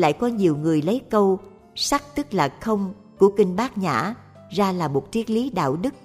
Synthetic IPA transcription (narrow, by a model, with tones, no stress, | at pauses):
la̰ː˧˨jkɔ˨˧ɲi˨˩əwŋɨ˨˩əjlə˨˦jkə˧w | sa˦˥k̚t̪ɨ˦˥k̚laː˨˩xə˧wŋ͡m | ku˧˩əkï˧ŋɓaː˦˥k̚ɲa̰ː˧˩˨ | zaː˧laː˨˩mo˨˩t̚t͡ɕi˦˥ək̚li˨˦ɗa̰ː˧˨wɗɨ˦˥k̚